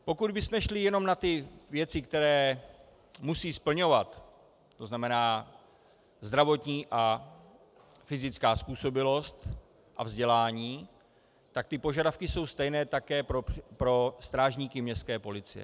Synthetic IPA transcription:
po̞kud̪bɪsmɛʃlɪjɛno̞mnat̪ɪvjɛt͡sɪkt̪ɛɾɛː | musiːspl̩ɲo̞vat̪ | t̪oznamɛnaː | zd̪ɾavo̞t̪ɲiːʔa | fɪzɪt͡skaːspuːso̞bɪlo̞st̪ | ʔavzɟɛlaːɲiː | t̪ak̚t̪ɪpo̞ʒadafkɪso̞wst̪ɛjnɛːt̪akɛːpɾopɾo̞st̪ɾaːʒɲiːkɪmɲɛst̪kɛːpo̞lɪt͡sɪ̰jɛ̰

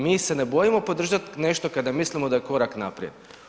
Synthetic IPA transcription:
miːse̞nebo̞jimo̞pod̪r̩ʒat̪ne̞ʃt̪okad̪amislimod̪ajeko̞ɾaknapɾied̪

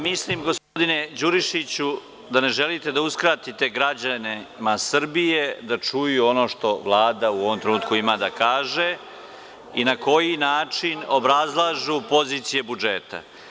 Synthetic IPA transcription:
mislimɡo̞spod̪ine̞d͡ʑuɾiʃit͡ɕu | d̪ane̞ʒe̞lit̪e̞d̪auskɾaːt̪it̪e̞ɡɾad͡ʑane̞masr̩bije̞d̪at͡ʂujuo̞no̞ːʃt̪o̞ʋlˠaːd̪auo̞ʋo̞mt̪ɾenuːt̪kuimad̪akaːʒe | inako̞jinaːt͡ʂino̞bɾazlˠaʒupo̞ziːt̪sije̞bud͡ʒeːt̪a̰

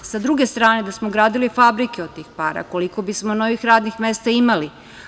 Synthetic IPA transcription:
sad̪ɾuɡest̪ɾaːne̞d̪asmoɡɾaːd̪ilifabɾikeod̪̚t̪ːiːxpa̰ːɾa̰ko̞liko̞bismo̞no̞ʋixɾaːd̪nixme̞st̪aimali

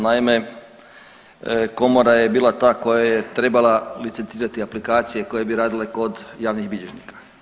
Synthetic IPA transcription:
naime̞ | ko̞moɾajebiːlˠat̪aːko̞jajet̪ɾe̞balalit̪sent̪iːɾat̪iaplikaːt̪sijeko̞je̞biɾaːd̪ileko̞d̪jaːʋniɣbiʎeʒnikḁ

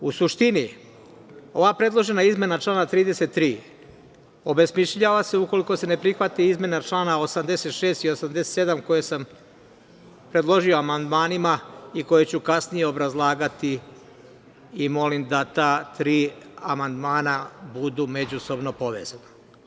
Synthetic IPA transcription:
usuʃt̪ini | o̞ʋapɾe̞d̪lˠo̞ʒe̞naizme̞nat͡ʃlˠaːnat̪ɾiːd̪e̞se̞t̪ːɾiː | o̞besmiʃʎaːʋaseuko̞liko̞se̞ne̞pɾixʋat̪iizme̞nat͡ʃlˠaːnao̞samd̪e̞se̞t̪ʃeːst̪io̞samd̪e̞set̪se̞d̪amko̞jesam | pɾe̞d̪lˠo̞ʒio̞amand̪maːnimaiko̞jet͡ɕukasnijeo̞bɾazlˠaːɡat̪i | imo̞limd̪at̪aːt̪ɾiːamand̪maːnabud̪ume̞d͡ʑuso̞bno̞po̞ʋe̞̰ːzana

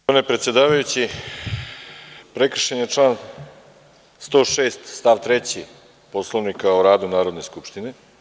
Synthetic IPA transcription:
onepɾe̞t̪sjed̪aːʋajut͡ɕi | pɾekr̩ʃenjeʈ͡ʂlˠaːn | st̪oːʃeːst̪st̪aːʋt̪ɾet͡ɕi | poslˠoʋnikaoɾaːd̪unaːɾod̪ne̞skupʃt̪ine̞

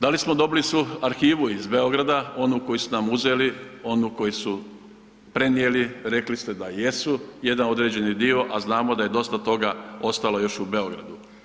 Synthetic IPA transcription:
d̪alismo̞d̪o̞bilisʋuaɾxiːʋuizbe̞o̞ɡɾad̪ao̞nuko̞jisunamuze̞lio̞nuko̞jisu | pɾe̞nieliɾe̞klist̪e̞d̪aje̞suje̞d̪ano̞d̪ɾe̞ːd͡ʑe̞nid̪io̞ʔaznaːmod̪aje̞d̪o̞st̪at̪o̞ɡao̞st̪alojo̞ʃube̞o̞ɡɾa̰d̪u

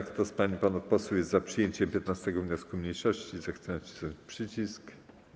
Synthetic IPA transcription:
kt̪ɔspaɲipanapɔswujɛst̪zapʂɘjeɲt͡ɕɛmpʲjɛt̪nast̪ɛɡɔvɲɔskumɲejʂɔɕt͡ɕizaxt̪sɛt͡ɕi̥sɔpʂɘt͡ɕisk

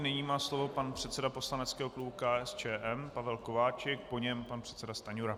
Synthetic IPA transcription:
nɪɲiːmaːslo̞vo̞panpr̥ɛt̪t͡sɛdapo̞slanɛt͡skɛːɦoklubukaːʔɛst͡ʃɛːʔɛmpavɛlko̞vaːt͡ʃɛk̚po̞ɲɛmpanpr̥ɛt̪t͡sɛdast̪aɲuɾa

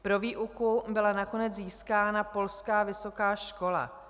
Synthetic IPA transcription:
pɾo̞viːʔukubɪlanako̞nɛd͡zziːskaːnapo̞lskaːvɪso̞kaːʃko̞la̰

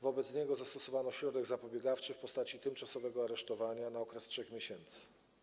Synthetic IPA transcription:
vɔbɛt̪sɲɛɡɔzast̪ɔsɔvanɔɕɾɔd̪ɛɡzapɔbʲjɛɡaft͡ʂɘfpɔst̪at͡ɕit̪ɘmt͡ʂasɔvɛɡɔaɾɛʂt̪ɔvaɲanaɔkɾɛstʂɛxmʲeɕɛnt̪sɘ̥

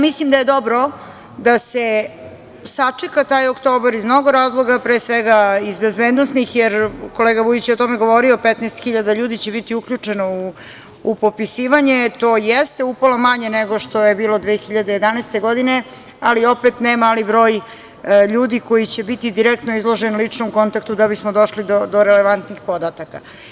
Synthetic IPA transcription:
mislimd̪aje̞d̪o̞bɾo̞ | d̪ase | sat͡ʂekat̪aːjokt̪o̞ːbaɾizmnoɡoɾaːzlˠo̞ɡapɾeːsʋeɡaizbezbeːd̪nost̪nixjeɾko̞leːɡaʋujit͡ɕjeot̪o̞meɡo̞ʋo̞ɾio̞pet̪nɛːst̪xiʎad̪aʎuːd̪it͡ɕebit̪iukʎut͡ʂenouː | po̞pisiːʋaɲet̪o̞ːjest̪e̞upolomaɲeneɡo̞ʃt̪o̞jebiːlo̞d̪ʋeːxiʎad̪ejed̪anaest̪e̞ɡo̞d̪ine̞ | alio̞pet̪nemalibɾo̞ːj | ʎuːd̪iko̞jit͡ɕe̞bit̪id̪iɾekt̪no̞izlˠo̞ʒenulit͡ʂnomko̞nt̪ak̚t̪ud̪abismod̪o̞ʃlid̪od̪o̞ɾeleʋant̪nixpo̞d̪at̪aka̰

